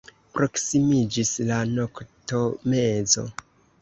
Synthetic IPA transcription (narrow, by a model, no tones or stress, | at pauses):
pɾo̞ksimid͡ʒislano̞kto̞me̞zo̞̰